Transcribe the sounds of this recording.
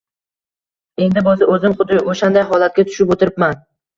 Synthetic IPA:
e̞nd̪ɪbɒzɪʔɵzɪmχʊd̪ɪʔoʃand̪ajɦɒlˠat̪̚ɡʲat̪ʰʊ̥ʃɪpot̪ɪɾɪpman

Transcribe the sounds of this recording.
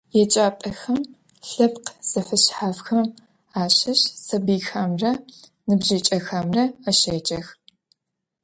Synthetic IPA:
jɛt͡ʃʼaːpʼɐxɐm | ɬɐpqz̥ɐfɨɕħaːfxɐm | aːɕɐɕsɐbiːxaːmrɐ | nɨbʒit͡ʃʼɐxaːmrɐɐʃɐːt͡ʃʼɐx

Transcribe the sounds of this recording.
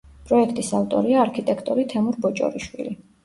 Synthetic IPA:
pʼɾɔɛkʰt̪ʼisaft̪ʼɔɾiaːɾkʰit̪ʼɛkʰt̪ʼɔɾit̪ʰɛmuɾbɔt͡ʃʼɔ̰ɾiʃwḭli

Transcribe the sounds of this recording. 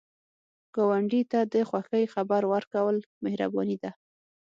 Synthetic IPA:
ɡ̥awaɳɖit̪ad̪əxwaxəjxabaɾwaɾkawəlmehɾa̰bɔnid̪a

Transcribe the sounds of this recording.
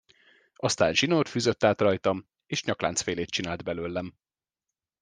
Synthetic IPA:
ɒst̪aːnʒinoːt̪fyːzøt̪ːaːt̪rɒjt̪ɒm | eːʃɲɒkla̰ːnt̪sfeːleːt̪̚t͡ʃinaːld̪bɛløːlːɛm

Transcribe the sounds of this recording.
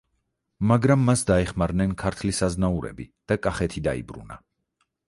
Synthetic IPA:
maɡɾamːasd̪aɛχmaɾnɛnkʰaɾt̪ʰlisaznauɾɛ̰bid̪̥akʼaχɛt̪ʰid̪aḭbɾṵna̰

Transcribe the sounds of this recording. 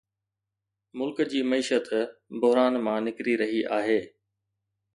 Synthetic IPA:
mʊlkd͡ʑiːmɐiːʃət̪bʊɦɾaːnmãːnɪkɾiɾɐɦiʔaːɦeː

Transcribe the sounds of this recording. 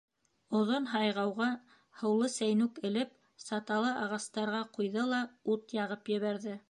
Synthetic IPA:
ŏðonɦɑjʁɑwʁɑ | hɤ̆wlˠɤsæjnʉkɘ̆lɘp | sɑt̪ɑlˠɤʔɑʁɑst̪ɑɾʁɑqujðɤlˠɑut̪jɑʁɤpjɘ̆βæɾðɘ

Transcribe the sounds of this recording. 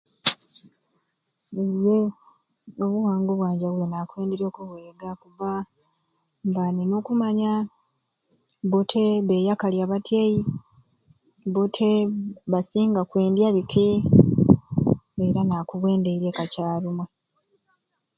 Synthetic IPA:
eje | oβuwaːŋɡo̞βwaːɲɟaβulonaːkwe̞ːndeɾio̞kuβwe̞ːɡakuβa | mbaninokumaɲa | βotʰeβe̞jakaljaβatjeji | βotʰeβasiːŋɡakwe̞ːndjaβikʰe | eɾanaːkuβwe̞ːndeiɾe̞kacaːluma

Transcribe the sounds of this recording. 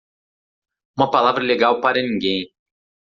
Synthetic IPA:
ũmɐpalavɾɐleɡawpaɾɐnĩŋɡẽj̃

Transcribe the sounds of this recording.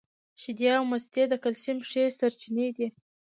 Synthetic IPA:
ʃɪd̪jɑwmast̪ed̪əkalsimʂesaɾt͡ʃined̪i

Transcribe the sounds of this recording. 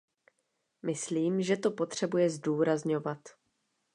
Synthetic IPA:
mʔɪsliːmʒɛt̪o̞po̞t̪r̝̥ɛbujɛzduːɾazɲo̞vat̪

